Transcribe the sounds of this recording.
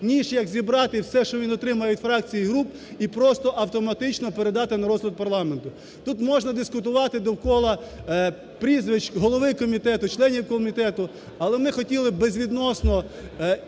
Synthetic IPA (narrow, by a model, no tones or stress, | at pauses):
nʲiʃjɐɡzʲibɾɑt̪ɪwsɛʃt͡ʃɔʋʲinɔt̪ɾɪmɐjɛʋʲid̪ʲfɾɑk̚t͡sʲijiɦɾup | ipɾɔst̪ɔʔɐwt̪ɔmɐt̪ɪt͡ʃnɔpeɾed̪ɑt̪ɪnɐɾɔzɦlʲˠɐd̪̚pɐrlˠɑment̪ʊ | t̪ut̪mɔʒnɐd̪ɪskʊt̪̬ʊʋɑt̪ɪd̪ɔwkɔlˠɐ | pɾʲizʋɪt͡ʃɦɔlˠɔʋɪkɔmʲit̪ɛt̪ʊt͡ʃlˠɛnʲiwkɔmʲit̪ɛt̪ʊ | ɐlˠɛmnɪxɔtʲilˠɪbezʲʋʲid̪nɔsnɔ